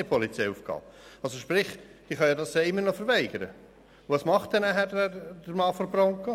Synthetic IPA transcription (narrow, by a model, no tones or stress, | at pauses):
pʰɔlit͡sɛɪufɡ̥ɑ̰ːɑlsoʃpɾɪχd̥iːχɑnjɑdɑssɛɪmːəɾnɔfəɾvæɪɡ̥əɾə | ʋɑsmɑχt̚d̥ɛnæɦædd̥əɾmɑːfɔɾbɾɔŋkə